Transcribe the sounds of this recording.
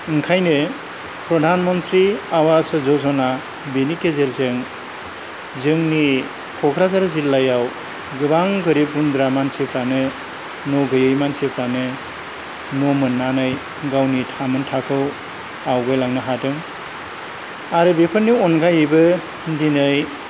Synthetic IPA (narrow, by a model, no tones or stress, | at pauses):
ɯŋkʰajnɯ | pɾɔdʱanmɔntɾiawasɯzɔzɔna | benikezeɾzeŋ | zɯŋni | kʰɔkʰɾazaɾɯzilːajaw | ɡɯbaŋɡɯɾip̚ɡundɾamansepʰɾanɯ | nɔɡɯjɯjmansepʰɾanɯ | nɔmɯnːanɯj | ɡawnitʰamɯntʰakʰɯw | awɡɯjlaŋnɯɦatɯŋ | aɾɯbepʰɯɾnːiɔnɡajɯbɯ | ndinɯj